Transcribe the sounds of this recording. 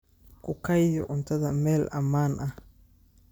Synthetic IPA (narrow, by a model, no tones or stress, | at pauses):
kʰʊkʰɐjjɔʕʊnt̪ʰɐðɐmɛːlʔɐmaːnʔɐh